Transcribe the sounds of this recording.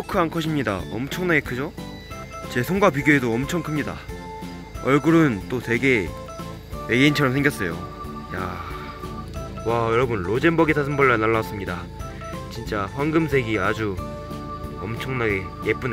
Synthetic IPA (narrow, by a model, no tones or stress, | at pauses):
okʰɯankʰʌɕʰimɲida̰ʌ̰mt͡ɕʰʌŋnaɡe̞kʰɯd͡ʑo | t͡ɕe̞sʰoŋɡap̬ɥiɡjoedoʌmt͡ɕʰʌŋkʰɯmɲida̰ | ʌɭɡuɾɯnt͈oswe̞ɡe̞ | weɡeint͡ɕʰʌɾʌmsʰeŋɡjʌs͈ʌjo̰ | ja | wajʌɾʌbunɭod͡ʑe̞nbʌɡisʰas̬ʰɯnbʌɭːanaɭːas͈ɯmɲida | t͡ɕint͡ɕ͈aɸwaŋɡɯmsʰe̞ɡiad͡ʑu | ʌmt͡ɕʰʌŋnaɡe̞ | jep͈un